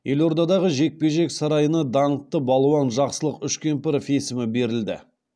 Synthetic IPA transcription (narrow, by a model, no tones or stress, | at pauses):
jʔe̞lo̞ɾd̪ɑd̪ɑʁəʒe̞k̚pe̞ʒe̞ksɑɾɑjənɑd̪ɑɴət̪ːəbɑlˠuwɑnʒɑqsəlˠəqʏʃkʲe̞mpɪɾfesɪmɪbe̞ɾɪld̪ɪ̰